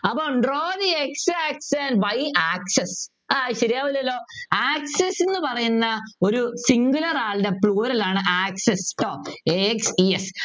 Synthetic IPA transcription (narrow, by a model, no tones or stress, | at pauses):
ɐpːoːɳɖroːðieksɨaːksɐnʋɐjaːkses | aɕɐɾijaːʋɐlːɐlːo̞ːaːksesenːɨpɐrɐjunːɐo̞ɾusiŋɡulɐraːɭdepɭuːɾɐlaːɳɨʔaːksestoːeeksies